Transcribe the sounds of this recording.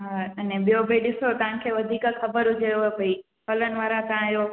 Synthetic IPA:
ɦaːɐnẽɓijobʱəiɗɪsot̪ɐʋ̤ãkʰeːʋɐd̪ʱiːkxɐbəɾɦʊd͡ʑʱeobʱɐi | fʰɐlənɪ̆ʋaːɾat̪ɐãɦijo

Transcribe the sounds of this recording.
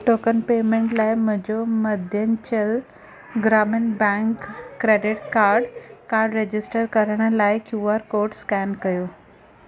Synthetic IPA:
ʈoːkənpemẽɳʈlaːɪmʊ̃d͡ʑoməd̪ʱjənt͡ɕəl | ɡɾamɪnbɛ̃ŋkːɾeɖɪʈkaːɾɖkaːɾɖɾed͡ʑɪsʈəɾkɐɾəɽ̃əlaːɪkjuaɾkoːɾɖskɛnkɐjoː

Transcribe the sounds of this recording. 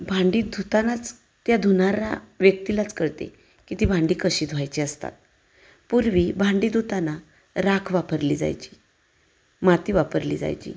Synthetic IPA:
bʱaɳɖiːd̪ʱut̪anat͡s | t̪jad̪ʱunaɾa̰ʋjək̚t̪ilat͡skəɾt̪ḛ | kit̪iːbʱãɳɖiːkəɕiːd̪ʱʋajt͡ɕiəst̪a̰t̪̚ | puɾʋibʱaɳɖid̪ut̪ana | ɾakʰʋapəɾliːd͡za̰jt͡ɕi̥ː | mat̪iːʋapəɾlḭːd͡za̰jt͡ɕḭː

